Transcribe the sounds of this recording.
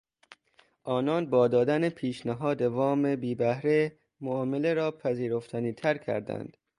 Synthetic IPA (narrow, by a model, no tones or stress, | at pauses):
ʔɒːnɒːnbɒːd̪ɒːd̪ænepʰiːʃnæɦɒːd̪evɒːmebiːbæhɾe | moɒːmeleɾɒːpʰæziːɾoft̪ʰæniːt̪ʰæɾkʰæ̰ɾd̪æ̰nd̪̥